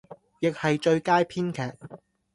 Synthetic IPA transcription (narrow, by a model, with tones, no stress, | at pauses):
jɪ˨k̚hɐ˨jt͡ʃɵ˧ɥkaː˥jpʰiː˥nkʰɛː˨k̚